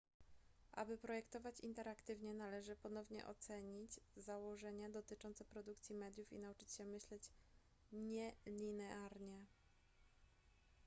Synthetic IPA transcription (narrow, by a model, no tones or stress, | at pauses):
ʔa̰bɘpɾɔjɛkt̪ɔvat͡ɕint̪ɛɾakt̪ɘvɲɛnalɛʐɘpɔnɔvɲɛ̰ʔɔ̰t̪sɛɲid͡ʑzawɔʐɛɲad̪ɔt̪ɘt͡ʂɔnt̪sɛpɾɔd̪ukt̪sʲjimɛd̪ʲjufḭnaut͡ʂɘ̥t͡ɕɕɛmɘɕlɛt͡ɕ | ɲɛlʲinɛʔaɾɲɛ